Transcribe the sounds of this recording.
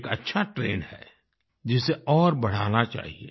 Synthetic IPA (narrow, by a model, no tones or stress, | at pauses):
kɐtːʃʰaʈɾeːnhɛ̰ | d͡ʒɪseɔːɾbɐɽ̤aːnat͡ʃa̰ːɦiḛ